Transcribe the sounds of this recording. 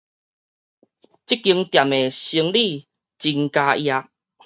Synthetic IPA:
t͡ɕi˦˥kːi˧əŋt̪ja˨me˨˩ɕi˧əŋli˥˧˨ | t͡ɕi˧ŋka˧ja˧

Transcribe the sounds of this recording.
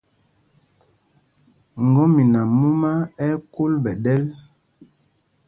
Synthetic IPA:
ŋ˨ɡɔ˦mi˨na˨mu˦ma˦ɛ˦ku˦lbɛ˨dɛ˦l

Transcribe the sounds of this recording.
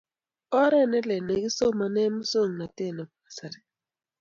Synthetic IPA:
ɔ˦ɾɛ˦˨nɛ˦lɛ˨nɛ˨ɡi˦so˦ma˨nɛ˦mʊ˦so˦˨ŋna˨te˦˨na˨pa˨sa˨ɾi˨

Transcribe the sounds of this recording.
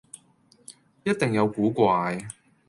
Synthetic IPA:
jɐ˥t̚t̪e˨ŋjɐ˨˧wkuː˨˥kʷaː˧j

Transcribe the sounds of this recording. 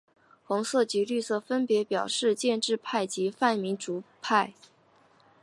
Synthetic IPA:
xʊ˧˥ŋsɤ˥˩t͡ɕi˧˥ly˥˧sɤ˥˩fə˥npjɛ˧˥pjɑ˨˩ʊʂɻ̩˥˧t͡ɕjɛ˥˧nʈ͡ʂɻ̩˥˧pʰa˥˩ɪt͡ɕi˧˥fa˥˩nmi˧˥nʈ͡ʂu˧˥pʰa˥˩ɪ

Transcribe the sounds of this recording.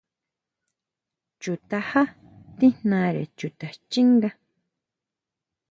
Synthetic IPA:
t͡ʃu˨t̪a˧ha˦ | t̪i˦nnã˧ɾḛ˨t͡ʃu˨t̪a˨t͡ʃi˦ŋɡa˦

